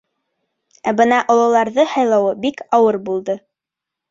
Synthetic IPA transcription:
æbɤnɑʔŏlˠɤ̆lˠɑɾðɤhɑjlˠɑwɤbikɑwɤɾbulˠd̪ɤ

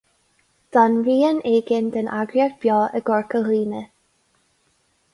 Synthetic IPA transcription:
d̪̥anɹiːəneːɡɪnd̪ənʔaɡɹjakb̥jɔːəɡɔɹkəliːnə

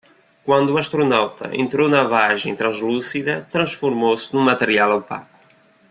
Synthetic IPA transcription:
kwɐ̃nd̪uɐʃt̪ɾunawt̪ɐ̰ʔḛ̃nt̪ɾonɐvaʒḛ̃t̪ɾɐ̃zlusiðɐt̪ɾɐ̃sfuɾmosnũmɐt̪əɾialˠawpa̰ku

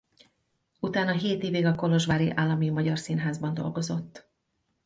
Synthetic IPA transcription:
ut̪aːnɒɦeːt̪eːveːɡɒko̞lo̞ʒʋaːɾiʔaːlːɒmimɒɟɒrsiːnɦaːzbɒnd̪o̞̰lɡo̞zo̞t̪ː

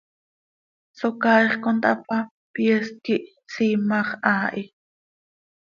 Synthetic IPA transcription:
sokaːiχkont̪apa | pieskiʔ | siːmɑχaːʔi

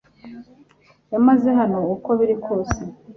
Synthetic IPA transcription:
jamaze̞ɦano̞uko̞βiɾikʰo̞ːse

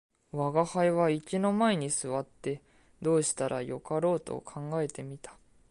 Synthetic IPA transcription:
βaɡahaiβaikʲino̞maeɲ̟isɨβat̪ːe̞ | d̪o̞ːɕi̥t̪aɾʔajo̞kaɾo̞ːt̪o̞̰kʰãŋɡae̞t̪e̞mʲit̪ḁ

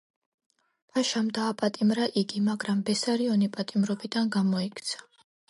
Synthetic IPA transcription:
pʰaʃamd̪aːpʼat̪ʼimɾaʔiɡimaɡɾambɛsaɾiɔnipʼat̪ʼimɾɔbid̪anɡamɔikʰt̪sʰḁ

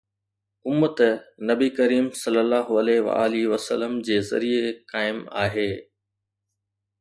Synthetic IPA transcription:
ʊmːət̪nɐbikɐɾiːmsɐlːəlːaːɦʊɐleʋa̰aːliʋɐsə̰ləmd͡ʑeːzɐ̰ɾiekaːɪmaːɦeː

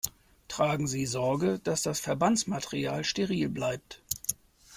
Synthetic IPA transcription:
tʁ̥aːɡŋ̩ziːzɔɐɡəd̥asd̥asfɛɐbant͡smatʰeʁiaːlʃteʁiːlblaɪp̚t

